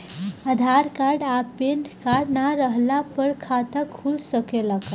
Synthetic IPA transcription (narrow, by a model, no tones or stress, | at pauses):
əd̪ʱaɾkaɾɖapenɖkaɾɖnaɾəɦlapəɾkʰat̪əkʰːulsəkelaka